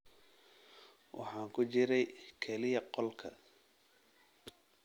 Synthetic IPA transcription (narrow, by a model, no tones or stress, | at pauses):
wʔɑ̰ħɑːŋkʰʊt͡ʃɪɾɛjkʰɛlɪjɐqɔlkʰɐ̰